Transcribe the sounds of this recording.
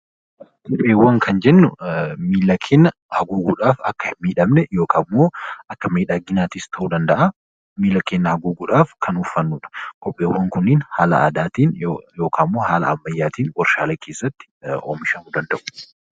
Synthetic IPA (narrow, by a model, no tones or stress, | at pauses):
kʼɔpʼːeːwːɐŋkʰɐnd͡ʒɛnːʊmiːlːɐkʰːeːnːɐ | hɐɡuːɡuːᶑaːfɐ̰kːɐhɪmːiːᶑɐmnɛjo̞ːkʰamːoːʔɐkːɐmiːᶑaːɡɪnaːt̪iːst̪ʰɐʔud̪ɐnd̪ɐʔa | miːlːɐkːeːnːɐhɐɡuːɡuːᶑaːfkʰɐnʊfːɐnːuːᶑɐ̥kʼɔpʼːeːwːɐŋkʊnːɪnhaːlɐ̰ʔa̰ːd̪aːt̪iːnjoːkʰaːmːoːhaːlɐ̰ɐmːɐjːaːt̪iːnwɐɾʃa̰ːleːkʰeːsːɐt̪ːɪ̥o̰ːmɪʃɐmud̪ɐnd̪ɐʔʊ̥